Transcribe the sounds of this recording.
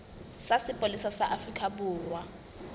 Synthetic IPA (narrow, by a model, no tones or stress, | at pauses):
sasɪpʼolisasaʔafrikʼʰabuːrwa